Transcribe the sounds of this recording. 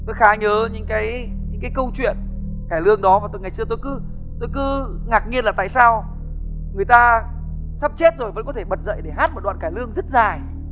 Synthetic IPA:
t̪o˧jxaː˨˦ɲəː˨˦ɲɨ̰˧˥ŋkaː˨˦jɲɨ̰˧˥ŋkaː˨˦jkə˧wt͡ɕwḭ˧˨ənkaː˧˩jlɨ˧əŋɗɔ˨˦vaː˨˩t̪o˧jŋa˨˩jt͡ɕɨ˧ət̪o˧jkɨ˨˦ | t̪o˧jk̬ɨ˨˦ŋaː˨˩k̚ŋi˧ənlaː˨˩t̪a̰ː˧˨jsaː˧w | ŋɨ˨˩əjt̪aː˧ | saː˦˥p̚t͡ɕe˦˥t̚zo˨˩jvə̰˧˥nkɔ˨˦t̪ʰe˧˩ɓə˨˩t̚zə̰˧˨jɗe˧˩ɦaː˦˥t̚m̚˨˩ɗw̰ːnkaː˧˩lɨ˧əŋzə˦˥t̚zaː˨˩j

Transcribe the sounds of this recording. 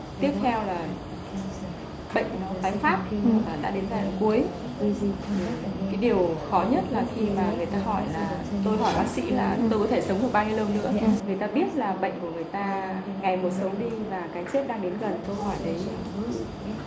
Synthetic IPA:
t̪i˦˥əp̚t̪ʰɛ˧wlaː˨˩ | ɓə̰˧˨ŋ̟nɔ˨˦ɓaː˨˦jfaː˦˥p̚aː˨˩ɗa̰ː˧˥ɗe˨˦nzaː˧˩˨ku˨˦əj | kaː˨˦jɗi˨˩əwxɔ˨˦ɲə˦˥t̚laː˨˩xi˧maː˨˩ŋɨ˨˩əjt̪aː˧ɦɔ˧˩jlaː˨˩ | t̪o˧jɦɔ˧˩jɓaː˨˦k̚sḭ˧˥laː˨˩t̪o˧jkɔ˨˦t̪ʰe˧˩sə˨˦wŋ͡mɗɨ˨˩ɓa˧ɲi˧lɗəː˧ŋ͡mnɨ̰˧˥ŋɨ˨˩əjt̪aː˧ɓi˦˥ət̚laː˨˩ɓə̰˧˨jŋ̟ku˧˩əŋɨ˨˩əjt̪aː˧ | ŋa˨˩jmo˨˩t̚sə˨˦wɗi˧vaː˨˩kaː˨˦jsɛ˦˥p̚ɗaː˧ŋɗe˨˦nɣə˨˩nt̪o˧jhɔ˧˩jɗə˨˦j

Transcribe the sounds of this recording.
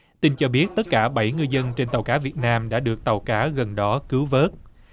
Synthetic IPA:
t̪i˧nt͡ɕɔ˧ɓi˦˥ət̚t̪ə˦˥t̚kaː˧˩ɓa˧˩jŋɨ˧jzə˧nt͡ɕe˧nt̪ə˨˩wkaː˨˦vi˨˩ət̚naː˧mɗa̰ː˧˥ɗɨ˨˩ək̚t̪ə˨˩wkaː˨˦ɣə˨˩nɗɔ˨˦kɨ˨˦wvəː˦˥t̚

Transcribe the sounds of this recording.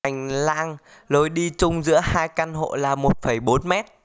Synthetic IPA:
ŋ̟la̰ː˧ŋ | lo˨˦jɗi˧t͡ɕʊ˧ŋ͡mzɨ̰˧˥əhaː˧jka˧nho̰˧˨laː˨˩mo˨˩t̚fə˧˩jɓo˨˦nmɛ˦˥t̚

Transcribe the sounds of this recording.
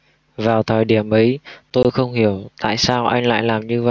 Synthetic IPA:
vaː˨˩wt̪ʰəː˨˩jɗi˧˩əmʔə˨˦jt̪o˧jxə˧wŋ͡mhi˧˩əwt̪a̰ː˧˨jsaː˧wʔa˧jŋ̟la̰ː˧˨jlaː˨˩mɲɨ˧və̰˧˨j

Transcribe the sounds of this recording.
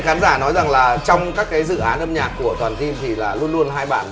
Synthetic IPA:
xaː˨˦nzaː˧˩nɔ˨˦jza˨˩ŋlaː˨˩t͡ɕɔ˧wŋ͡mkaː˦˥kkːaː˨˦jzɨ̰˧˨ʔaː˨˦nʔə˧mɲaː˨˩kːu˧˩ət̪waː˨˩nzi˧mt̪ʰi˨˩laː˨˩lu˧ənlu˧ənɦaː˧jɓa̰ː˧˩n

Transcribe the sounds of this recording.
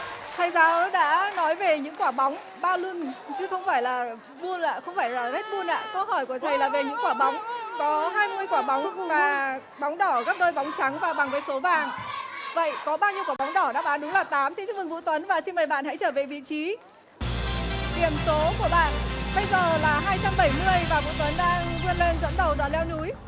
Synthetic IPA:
t̪ʰa˨˩jzaː˨˦ɗa̰ː˧˥nɔ˨˦jve˨˩ɲɨ̰˧˥ŋkwaː˧˩ɓa˨˦wŋ͡m | ɓaː˧lɨ˧ənt͡ɕɨ˧˦xə˧wŋ͡mfaː˧˩jlaː˨˩ | ɓu˧ənʔa̰ː˧˨xə˧wŋ͡mfaː˧˩jlaː˨˩t̪ʰa˦˥t̚ɓu˧nʔa̰ː˧˨kə˧hɔ˧˩jku˧˩ət̪ʰə˨˩jlaː˨˩ve˨˩ɲɨ̰˧˥ŋkwaː˧˩ɓa˨˦wŋ͡mkɔ˨˦ɦaː˧jmɨ˧əjkwaː˧˩ɓa˨˦wŋ͡mvaː˨˩ | ɓwŋ͡mɗɔ˧˩ɣa˦˥p̚ɗəː˧jɓa˨˦wŋ͡mt͡ɕa˨˦ŋvaː˨˩ɓa˨˩ŋvəː˨˦jso˨˦vaː˨˩ŋvə̰˧˨jkɔ˨˦ɓaː˧wɲi˧əkwaː˧˩ɓa˨˦wŋ͡mɗɔ˧˩ɗa̰ː˧˥ɓaː˨˦nɗʊ˨˦ŋ͡mlaː˨˩t̪aː˨˦msɛ˧nt͡ɕɨ˦˥k̚vɨ˨˩ŋvṵ˧˥t̪wə˨˦nvaː˨˩si˧nməː˨˩ɓa̰ː˧˨nha̰˧˥t͡ɕəː˧˩ve˨˩vḭ˧˨t͡ɕi˨˦ | ɗi˨˧˩əmso˨˦ku˧˩əɓa̰ː˧˨nɓə˧jzəː˨˩laː˨˩ɦaː˧jt͡ɕa˧mɓə˧˩jmɨ˧əjvaː˨˩vṵ˧˥t̪wə˨˦nɗaː˧ŋlu˧ənle˧nzə̰˧˥nɗə˨˩wɗwaː˨˩nlɛ˧wnu˨˦j

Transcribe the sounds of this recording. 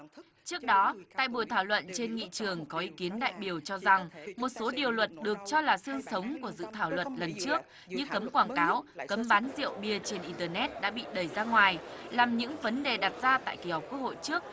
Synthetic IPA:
t͡ɕɨ˦˥ək̚ɗɔ˨˦t̪a̰ː˧˨jɓu˧˩əjt̪ʰaː˧˩wlwə̰˧˨nt͡ɕe˧nŋḭ˧˨t͡ɕɨ˨˩əŋkɔ˨˦ʔi˨˦ki˨˦ənɗa̰ː˧˨jɓi˨˩əwt͡ɕɔ˧za˨˩ŋmo˨˩t̚so˨˦ɗi˨˩əwlwə˨˩t̚ɗɨ˨˩ək̚t͡ɕɔ˧laː˨˩sɨ˧əŋsə˨˦wŋ͡mku˧˩əzɨ̰˧˨t̪ʰaː˧˩wlwə˨˩t̚lə˨˩nt͡ɕɨ˦˥ək̚ | ɲɨ̰˧˥kə˨˦mkwaː˧˩nkaː˨˦wkə˨˦mɓaː˨˦nzḭ˧˨əwɓi˧˩ət͡ɕe˧nʔi˧t̪əː˧nɛ˦˥t̚ɗa̰ː˧˥ɓḭ˧˨ɗə˨˩jzaː˧ŋwaː˨˩jlaː˨˩mɲɨ̰˧˥ŋvə˨˦nɗe˨˩ɗaː˨˩t̚z̥aː˧t̪a̰ː˧˨jki˧˩hɔ˨˩k͡pku˦˥ək̚ho̰˧˨jt͡ɕɨ˦˥ək̚

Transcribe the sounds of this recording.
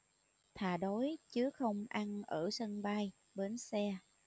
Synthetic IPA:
t̪ʰaː˨˩ɗo˨˦jt͡ɕɨ˨˦xə˧wŋ͡mʔa˧nʔəː˧˩sə˧nɓa˧j | ɓe˨˩nsɛ˧

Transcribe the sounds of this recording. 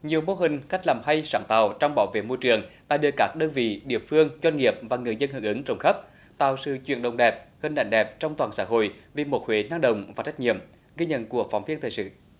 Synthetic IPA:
ɲi˨˩əwmo˧ɦï˨˩ŋ̟xa˦˥jk̟̚laː˨˩mɦa˧jsaː˧˩nt̪aː˨˩wt͡ɕɔ˧wŋ͡mɓaː˧˩wvḛ˧˨mo˧jt͡ɕɨ˨˩əŋɗa̰ː˧˥ɗɨ˧˩əkaː˦˥k̚ɗəː˧nvḭ˧˨ɗḭ˧˨əmfɨ˧əŋt͡ɕwa˧nŋi˨˩əp̚vaː˨˩ŋɨ˨˩əjzə˧nhɨ˨˧˩ŋʔɨ˨˦ŋt͡ɕə˨˧˩wŋ͡mxə˦˥p̚ | t̪a̰ː˧˨wsɨ̰˧˨t͡ɕwḭ˧˨ənɗə˨˩wŋ͡mɗɛ˨˩p̚hï˨˩ŋ̟ɗa̰˧˨jŋ̟ɗɛ˨˩p̚t͡ɕɔ˧wŋ͡mt̪waː˨˩nsaː˧˥ɦo̰˧˨jvi˨˩mo˨˩t̚hwe˨˦naː˧ŋɗə̰˧˨wŋ͡mvaː˨˩t͡ɕa˦˥jk̚ŋḭ˧˨əm | ɣi˧ɲə̰˧˨nku˨˧˩ək̚fɔ˨˩wŋ͡mvi˧ənt̪ʰəː˨˩jsɨ̰˧˨

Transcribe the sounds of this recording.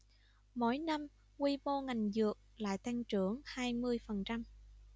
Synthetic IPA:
mo̰˧˥jna˧m | kwi˧mo˧ŋa˨˩jŋ̟zɨ˨˩ək̚la̰ː˧˨jt̪a˧ŋt͡ɕɨ˧˩əŋhaː˧jmɨ˧əjfə˨˩nt͡ɕa˧m

